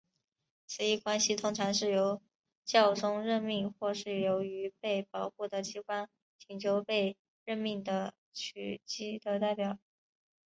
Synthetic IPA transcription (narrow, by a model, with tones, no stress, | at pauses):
t͡sʰɹ̩˨˩i˥˩kwa˥nɕi˨t̪ʰʊ˥ŋʈ͡ʂʰɑ˧˥ŋʂɻ̩˥˩jo˧˥ʊ | t͡ɕjɑ˥˩ʊʈ͡ʂʊ˥ŋɻə˥˧nmi˥˧ŋxwɔ˥˧ʂɻ̩˥˩jo˧˥ʊy˧˥pe˥˩ɪpɑ˨˩ʊxu˥˩d̪ə˩t͡ɕʰi˥kwa˥n | t͡ɕʰi˨˩nt͡ɕʰjo˧˥ʊpe˥˧ɪ | ɻə˥˧nmi˥˩ŋd̪ə˩ | t͡ɕʰy˧˩t͡ɕi˥d̪ə˧˨t̪a˥˩ɪpjɑ˨˩˦ʊ